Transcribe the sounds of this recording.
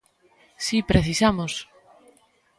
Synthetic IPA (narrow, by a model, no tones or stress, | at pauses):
sipɾeθisamos